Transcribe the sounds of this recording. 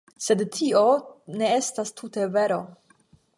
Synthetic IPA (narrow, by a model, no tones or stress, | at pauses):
se̞dtʰio̞ne̞e̞stastʰute̞ve̞ɾo̞